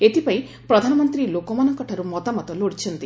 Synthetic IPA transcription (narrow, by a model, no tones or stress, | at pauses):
et̪ipai | pɾɔd̪ʱanɔmɔnt̪ɾilokɔmanɔŋkɔʈʰaɾumɔt̪amɔt̪ɔloɽit͡ʃʰɔnt̪i